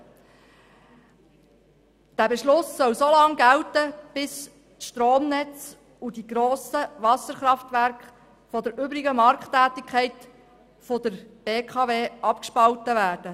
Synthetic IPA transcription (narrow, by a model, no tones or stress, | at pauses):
d̥æbɛʃlʊsːœwsolɑŋɡæltəb̥ɪs | ʃtɾoːmnɛt͡s | ud̥iɡɾoːsəʋɑsəɾχɾɑft̪vʋæɾkχ | fɔdəɾʏbɾɪɡəmɑɾktːæːtɪkʰχɛɪt | fɔdəɾb̥eːkʰɑːveːʔɑpkʃpɑltəvæːrd̥ə